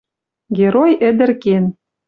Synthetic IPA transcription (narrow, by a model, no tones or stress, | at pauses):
ɡʲeɾojɘ̆d̪ɘ̆rken